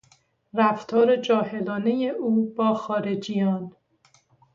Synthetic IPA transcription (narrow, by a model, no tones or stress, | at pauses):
ɾæft̪ʰɒːɾe̞d͡ʒɒːhe̞lɒːne̞je̞ʔuːb̥ɒːxɒːɾe̞d͡ʒijɒːn